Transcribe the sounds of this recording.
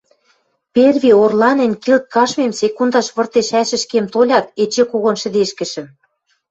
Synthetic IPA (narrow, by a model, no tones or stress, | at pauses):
perβʲiorlɑnɘ̆nʲkilt̪̚kɑʃmemsekund̪ɑʃβɤ̆rt̪eʃæʃɘ̆ʃkemt̪olʲɑk̪et͡ɕĕkoɣŏnʃɘ̆d̪eʃkɘ̆ʃɘ̆m